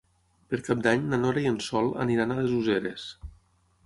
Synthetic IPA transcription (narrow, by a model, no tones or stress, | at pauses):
peɾkap̚d̪aɲnanoɾaiensɔlˠə̰niɾanalezuzeɾes